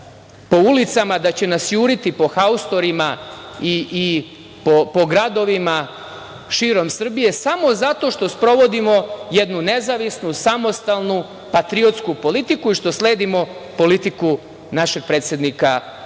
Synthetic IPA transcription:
po̞ulit̪samad̪at͡ɕe̞nasjuːɾit̪ipo̞xaust̪o̞ɾimaiʔi | popo̞ɡɾad̪o̞ʋima | ʃiːɾo̞msr̩bije̞samo̞zat̪o̞ʃt̪o̞spɾo̞ʋo̞d̪imo̞jed̪nune̞zaʋisnusamo̞st̪alˠnu | pat̪ɾio̞t̪skupo̞lit̪ikuiʃt̪osle̞ːd̪imo̞po̞lit̪iku | naʃe̞ɡ̥̚pɾe̞ːt̪sʲjed̪nika

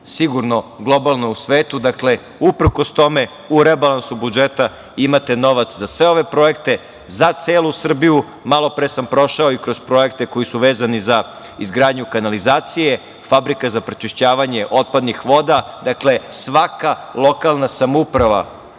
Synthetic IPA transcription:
siɡuɾno̞ɡlˠo̞balˠno̞usʋeːt̪ud̪akle̞ | upr̩kost̪o̞me | uɾebalˠansubud͡ʒet̪a | imat̪e̞no̞ʋat̪szasʋe̞o̞ʋe̞pɾo̞e̞kt̪e̞ | zat̪seːlusr̩biju | malˠo̞pɾesampɾo̞ʃao̞ikɾo̞z̥pɾo̞e̞kt̪e̞ko̞jisuʋeːzaniza | izɡɾaːd̪ɲukanalizaːt̪sije | fabɾikazapɾet͡ʃiʃt͡ɕaːʋaɲeʔo̞t̪̚pad̪nixʋo̞d̪ad̪akle̞sʋakalˠo̞kalˠnasamoupɾaʋa̰

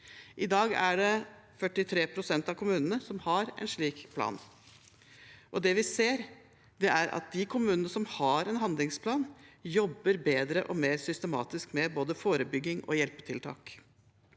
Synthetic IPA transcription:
ʔɪd̪ɑːɡæ̰ɖɛ | fœʈːɪt̪ʰɾeːpʰɾʊsɛnt̪ɑʋkʰʊmʉːnənəsɔmhɑɾɛ̰nʂɭiːkpʰlɑ̰ːn | ʔɔd̪ɛʋɪseːɾ | d̪ɛʔæɾʔɑ̰t̪̚d̪ɪkʰʊmʉːnənəsɔmhɑɾɛnɦɑnd̪lɪŋspʰlɑːnjɔbːəɾbeːd̪ɾəʔɔmeːɾsʏst̪əmɑ̰ːt̪ɪskmɛboːd̪əfoːɾəbʏɡːɪŋɔ̰jɛlpə̥t̪ʰɪlt̪ʰɑ̰ːk

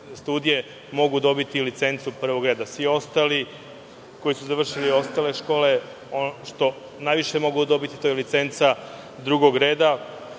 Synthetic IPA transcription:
st̪uːd̪ije̞ | mo̞ɡud̪o̞bit̪ilit̪se̞nt̪supr̩ʋo̞ɡɾe̞ːd̪asʋio̞st̪aːli | ko̞jisuzaʋr̩ʃilio̞st̪aːle̞ʃko̞ːle | oʃt̪o̞ | najʋiʃe̞mo̞ɡud̪o̞bit̪i̥t̪o̞jelit̪se̞nt̪sa | d̪ɾuɡo̞ɡɾe̞ːd̪a

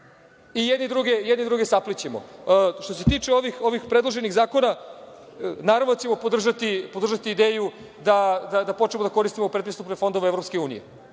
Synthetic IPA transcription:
ijed̪ned̪ɾuɡejɛd̪ned̪ɾuɡesaplit͡ɕemo̰ʃt̪o̞se̞t̪iːt͡ʂeo̞ʋixo̞ʋixpɾed̪lˠoʒeniɣzaːko̞na | naːɾavnod̪t͡ɕemo̞pod̪r̩ʒat̪ipo̞d̪rʒat̪iːd̪eːju | d̪ad̪ad̪apo̞t͡ʃemod̪ako̞ɾist̪imopɾet̪pɾist̪upnefo̞nd̪o̞ʋeevɾopskeuːnḭjḛ

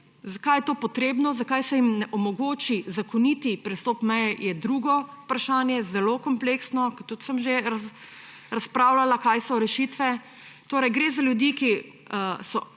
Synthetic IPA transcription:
zakajɛt̪oːpɔt̪ɾeːbnɔzakajsɛjimnɛʔɔmɔɡoːt͡ʃizakɔnit̪ipɾɛst̪ɔːpmɛjɛjɛd̪ɾuɡɔupɾaʃaːnjɛzɛloːkɔmpleksnɔkt̪ut̪səmʒeɾa | ɾaspɾaːwlalakaːjsɔɾɛʃit̪ʋɛ | t̪oːɾɐjɡɾeːzaljud̪iːki | əsɔ

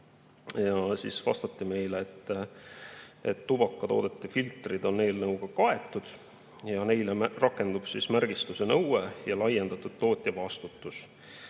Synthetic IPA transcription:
jɑsisvɑ̰st̪ɑt̪ːime̞jleːt̪ˑː | ḛt̪ːub̥ɑkˑːɑt̪o̞̰ːd̪et̪ːˑefilt̪rid̪̥o̞nne̞jlnɤuɡ̥ɑkɑe̞t̪ːˑud̪̥ | jɑne̞jlerɑkːe̞nd̪̥ub̥sismærɡ̥ist̪use̞nɤwejɑlɑjend̪ɑt̪ːˑud̪̥̚t̪ːo̞ːt̪ʲˑjɑvɑst̪ut̪ːˑus

